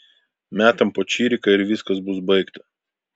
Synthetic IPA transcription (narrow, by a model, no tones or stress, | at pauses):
mʲæːt̪ɐmpoːt͡ʃʲiːɾʲɪkɐɪɾʋʲɪskɐsbʊs̬bɐɪkt̪ɐ